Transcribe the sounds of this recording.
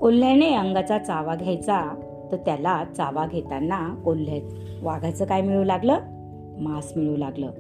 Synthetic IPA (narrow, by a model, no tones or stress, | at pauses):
kol̤ːeneəŋɡat͡sat͡saʋaɡʱjajt͡sa | t̪əɾt̪jalat͡saʋaɡʱet̪anːakol̤ːet͡s | ʋaɡʱat͡səːkajmiɭulaɡləː | masmiɭulaɡlə̰ː